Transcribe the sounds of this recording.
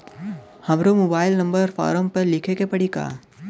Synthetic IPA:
hɐmɾomoːbaːɪlnɐ̃mbəɾfɔ̰ːɾəmpəɾlɪkʰekepɐɽika̰ː

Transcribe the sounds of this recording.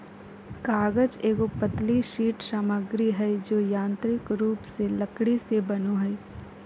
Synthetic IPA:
kaːɡəd͡ʒeːɡopəd̪liʃiːʈsaːməɡɾiɦɛd͡ʒoːjãːnt̪ɾɪkɾuːpselɐkɽisebɐnoɦɛj

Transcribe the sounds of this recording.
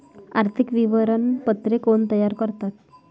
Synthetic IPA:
aɾt̪ʰikʋiʋəɾənpət̪ɾekoɳt̪əjaɾkəɾt̪at̪̚

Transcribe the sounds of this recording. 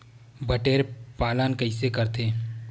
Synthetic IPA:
bəʈeːɾpaːlənkəɪsekɐɾt̪ʰeː

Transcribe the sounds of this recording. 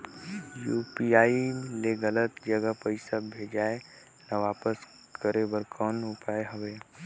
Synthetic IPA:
juːpiaːileɡɐlət̪d͡ʒəɡəpəɪsabʱeːd͡ʒaːe | naʋaːpəs | kəɾebəɾkʰɔːnʊpaːeɦɐʋeː

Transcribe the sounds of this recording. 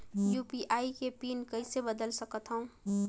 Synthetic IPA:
juːpiʔaːikepiːnkəisebəd̪əlsəkət̪ɦə̃ũ

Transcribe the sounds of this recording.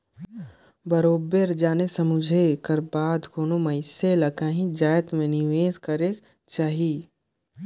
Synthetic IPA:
bɐɾoːbeɾd͡ʒaːnesɐmʊd͡ʒʱekɐɾbaːd̪koːnomɐɪselɐkaːɦĩd͡ʒaːjət̪mẽnɪʋeːzkɐɾe | t͡ʃaːɦi

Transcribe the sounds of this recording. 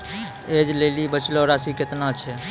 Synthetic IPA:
ed͡ʒlelibət͡ʃlɔɾasiket̪nat͡ʃʰɛ

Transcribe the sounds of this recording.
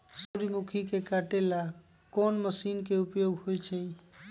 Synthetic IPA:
soɾimukʰikekaʈela | kɔnməsinkeupjoɡɦojt͡ʃʰɛ̃

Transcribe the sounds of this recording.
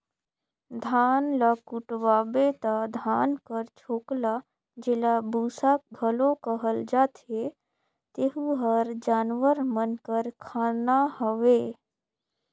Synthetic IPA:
d̪ʱaːnlakʊʈwaːbet̪ad̪ʱaːnkəɾt͡ʃʰoːkla | d͡ʒelabuːsakɡʱəlõkəɦəld͡ʒaːt̪e | t̪eɦuɦəɾd͡ʒaːnʋəɾmənkəɾkʰaːnahəʋeː

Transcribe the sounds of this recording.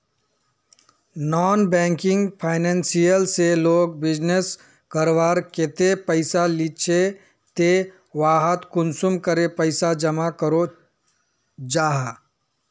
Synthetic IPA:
nɔːnbɛ̃ːŋkɪ̃ŋɡpʰaːɪnɛ̃nsijəlseloːɡ̚bɪd͡ʒnes | kəɾʋaːɾket̪epəɪsalit͡ʃʰe | t̪e | ʋaːɦət̪kʊnsumkəɾepəɪsad͡ʒəmakəɾo | d͡ʒaːɦa

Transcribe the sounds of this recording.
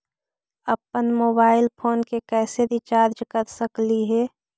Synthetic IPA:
əpənmoːbaːɪlpʰoːnkekɛːseɾit͡ʃaːɾd͡ʒkəɾsəkliɦɛː

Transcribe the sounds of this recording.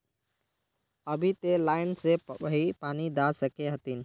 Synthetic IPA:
əbʱit̪elaɪnseəɦipanid̪asəkeɦət̪in

